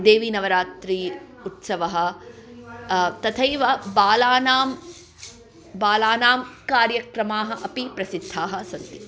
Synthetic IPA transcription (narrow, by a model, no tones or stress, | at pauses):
d̪eːʋinɐʋɐɾaːt̪ɾi | ut̪sɐʋɐɦɐ̆ | t̪ɐt̪ʰɐjʋɐbaːlaːnaːm | baːlaːnaːmkaːɾjɐkɾɐmaːɦɐ̆ʔɐpipɾɐsid̪ʱːaːɦɐ̆sɐnt̪i̥